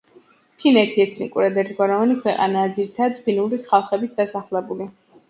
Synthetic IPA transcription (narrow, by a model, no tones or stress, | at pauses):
pʰinɛt̪ʰiɛt̪ʰnḭkʼuɾad̪ɛɾt̪ɡɔɾɔvanikʰwɛqʼa̰naːd̪ziɾit̪ʰad̪pʰinuɾiχalˠχɛbit̪̚ʰd̪̥asaχlˠɛbuli